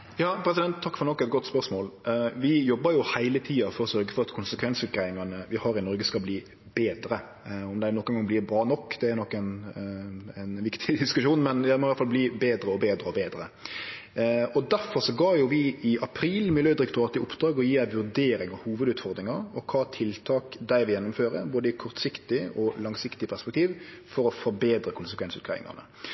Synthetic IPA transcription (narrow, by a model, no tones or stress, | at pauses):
jɑːpʰɾɛs̬ɪd̪ɛnt̪ʰːɑkːfɔɾnɔkːɛt̪ɡɔt̪ːspœɾsmoːlʋɪjɔbːəɾjʊhæɪlət̪ʰiːɑfɔɾɔsœɾɡəfɔɾɑt̪kʰʊnsəkʰʋɛnsɪkɾæɪŋɑnəʋɪhɑɾɪnɔɾɡəskɑbliː | beːd̪ɾə | ɔmd̪ɛnɔkːənɡɑŋbliːɾbɾɑːnɔkːd̪ɛæɾnɔkːɛn | æɪnʋɪkt̪ʰɪd̪ɪskʉʂuːnmɛnd̪æɪmɔʋɑɾt̪fɑlbliːbeːd̪ɾəɔbeːd̪ɾəɔbeːd̪ɾə | ɔd̪æɾfɔɾʂɔɡɑːjʊʋɪɪʔɑpʰɾiːlmɪljøːd̪ɪɾɪkt̪ʊɾɑːt̪ɪʔʊpd̪̥ɾɑːɡɔjiːd̪æɪʋʉɾd̪eːɾɪŋɑhuːʋəd̪ʉːt̪fɔɾd̪ɾɪŋɑɔkʰɑːt̪ʰɪlt̪ʰɑːkd̪æɪʋɪjɛnːʊmføːɾə̰ɾboːd̪əɪkʰɔɾt̪sɪkt̪ɪʔɔlɑŋsɪkt̪ɪpʰæʁspɛk̚t̪ʰiːʋfɔɾɔfɔɾbeːd̪ɾəkʰʊnsəkʰʋɛnsʉːt̪kʰɾɑ̰ʋɪ̰ŋɑ̰nə̰